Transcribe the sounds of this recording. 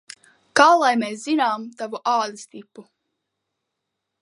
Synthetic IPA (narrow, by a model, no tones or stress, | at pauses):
kaːlˠajmeszinaːmt̪avuʔaːlʲist̪ipːu